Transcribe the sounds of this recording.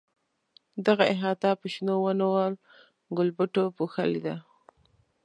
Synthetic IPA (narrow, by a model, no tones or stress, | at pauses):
d̪aɣaɪɦɑt̪ɑpəʃnowənawəl | ɡʊlbʊʈopuxalid̪a